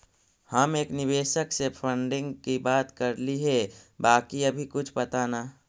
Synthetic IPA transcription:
həmeːknɪʋeːʃəksepʰə̃ɳɖɪ̃ŋɡkibaːt̪kəɾliɦɛbaːkiɐbʱikʊt͡ʃʰpɐt̪anaː

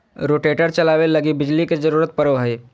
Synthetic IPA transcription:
ɾoːʈeːʈəɾt͡ʃɐlaːʋelɐɡibɪd͡ʒliked͡ʒəɾuːɾət̪̚pəɾəʋɦəe

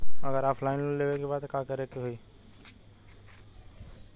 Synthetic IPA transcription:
ɐɡəɾaːpʰlaːɪnleːʋekebaːd̪kakɐɾekeɦoiː

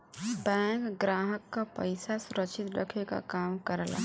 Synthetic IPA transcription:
bɛ̃kɡɾaɦəkːapəjsasuɾəkt͡ʃʰit̪ɖəkʰeka̰kamkəɾəla̰

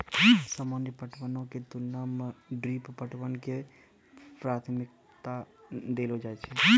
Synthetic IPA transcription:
səmənəpəʈʰʋənõket̪unəmɖɾippəʈʰʋənke | pɾat̪ʰmik̚ | t̪ad̪elɦod͡ʒajt͡ʃʰɛ

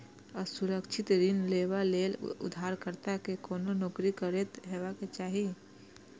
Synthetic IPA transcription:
əsuɾəkʃʰɪt̪ɾinleːwaleːlʊ̰d̪ʱaːɾkəɾt̪akekoːnonoːkɾikəɾet̪ɦeːʋaket͡ʃaːɦi

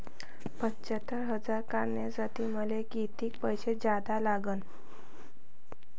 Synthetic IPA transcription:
pətt͡ɕət̪ːəɾɦəd͡zaɾkaɾɳjad͡zat̪iːməlekit̪iːkpəjɕed͡ʑad̪alaɡən

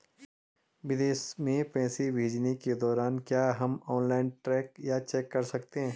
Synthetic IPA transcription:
ʋɪd̪eːsmẽpɛ̃ːsibʱeːd͡ʒneked̪ɔːɾaːnkjaːɦɐmɔːnlaːɪnʈɾɛːkjat͡ʃɛːkːɐɾsɐkt̪eɦɛ̃ː

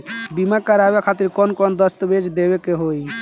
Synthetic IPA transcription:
bimakəɾabekʰat̪iɾkɔnkɔnd̪əst̪bed͡ʒd̪ebekeɦoj

